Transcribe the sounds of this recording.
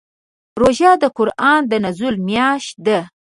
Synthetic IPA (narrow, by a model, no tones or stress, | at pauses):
ɾoʒɑd̪əqʊɾʔɑnd̪ənazulmjɑʃ̚d̪a